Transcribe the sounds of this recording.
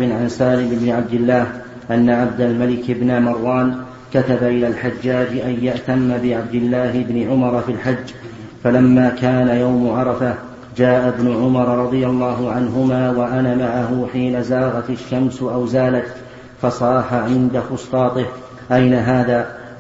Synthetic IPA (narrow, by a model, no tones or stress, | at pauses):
bɪnʕansaːlɪmʔɪbnɪʕab̚d̪ɪlːaːh | ʔanːaʕab̚d̪almalɪkɪbnamɑrˤwːɑːn | kat̪abaʔɪlaːlħad͡ʒːaːd͡ʒʔanjaʔt̪amːabɪʕab̚d̪ɪlːaːɦɪbnɪʕʊmɑɾˤfilħad͡ʒː | falamːaːkaːnajawmʊʕɑɾˤɑfa | d͡ʒaːʔabnʊʕʊmɑɾˤɾˤɑðˤɨjalˤːɑːɦʊʕanɦʊmaːwaʔanamaʕaɦʊħiːnazaːɣɑt̪ɪʃːamsʊʔawzaːlat̪ | fɑsˤɑːħaʕɪnd̪axʊst̪ˤɑːt̪ˤɪh | ʔajnaɦaːðaː